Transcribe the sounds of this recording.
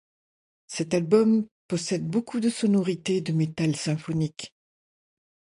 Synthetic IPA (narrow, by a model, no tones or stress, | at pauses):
sɛt̪albɔmpɔsɛd̪bokud̪əsɔnɔʁit̪ed̪əmet̪alsɛ̃fɔnik